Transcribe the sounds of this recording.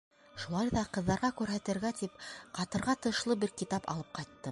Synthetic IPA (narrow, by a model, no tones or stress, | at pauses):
ʃulˠɑjðɑqɤ̆ðːɑɾʁɑkʉɾɦæt̪ɘ̆ɾɡæt̪ipqɑt̪ɤ̆ɾʁɑt̪ɤ̆ʃlˠɤbɘɾkit̪ɑpɑ̰lˠɤp̚qɑjt̪ːɤ